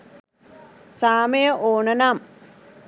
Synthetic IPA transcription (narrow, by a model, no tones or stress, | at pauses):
saːmejəʔoːnənaːm